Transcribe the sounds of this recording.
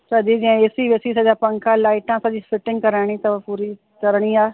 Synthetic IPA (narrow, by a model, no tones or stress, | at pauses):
səd̪iːd͡ʒãesiːʋeːsiːsad͡ʒaːpəŋkãːlaːɪʈãsad͡ʒiːfɪʈɪ̃ŋɡkəɾaːɽ̃ĩːt̪ɐpuːɾiː | kəɾɽ̃iːaː